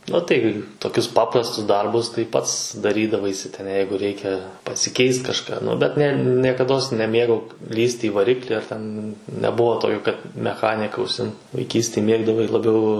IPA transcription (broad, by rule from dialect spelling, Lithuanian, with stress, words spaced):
ʊ tɐɪ toːˈkʲʊs ˈpɑːprɐstʊs ˈdɐrbʊs tɐɪ ˈpɐts dɐˈrʲiːdɐʋɐɪsʲɪ tʲɛn ˈjɛɪɡʊ ˈrʲɛɪkʲɛ pɐsʲɪˈkʲɛɪst kɐʃˈkɑː ˈnʊ bʲɛt nʲɛ nʲiɛkɐˈdoːs nʲɛˈmʲeːɡɐʊ ˈlʲiːsʲtʲɪ ɪ ʋɐˈrʲɪklʲɪ ɐr ˈtʲɛn nʲɛˈbʊʋoː ˈtoːkʲoː ˈkɐt mʲɛˈxɑːnʲɪkɐ ʊʃʲˈsʲɪmt ʋɐɪˈkʲiːsʲtʲeːj ˈmʲeːɡdɐʋɐɪ lˠɐbʲˈɛʊ